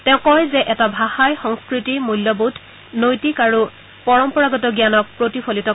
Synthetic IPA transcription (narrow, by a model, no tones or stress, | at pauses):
tɛ̃ʊ̃kɔjzɛʔɛtabʱaxajxɔŋskɹitimuljobudʰʱ | nojtikaɹu | pɔɹɔmpɔɹaɡɔtɔɡjanɔk̚pɹotipʰolitɔ